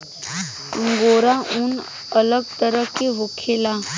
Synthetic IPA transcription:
ə̃ŋɡoːɾaʊn | ələɡ̚t̪əɾəkeɦʊkʰela

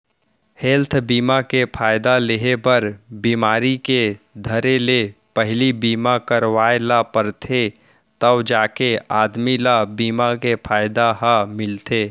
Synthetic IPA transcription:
hɛlt̪ʰbiːmakepʰaːjd̪aleɦepəɾbiːmaːɾiked̪ʱəɾelepəɦlibiːmakəɾwaːelapəɾt̪ʰe | t̪əbd͡ʒaːkeaːd̪milabiːmakepʰaːjd̪aɦamɪlt̪ʰeː

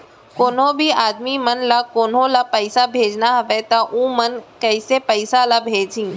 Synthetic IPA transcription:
koːnõːbʱiaːd̪mimɐnlakoːnɦõlapəɪsabʱeːd͡ʒnaɦɐʋet̪aʔũːmɐnkɐɪsepəɪsalabʱeːd͡ʒĩː

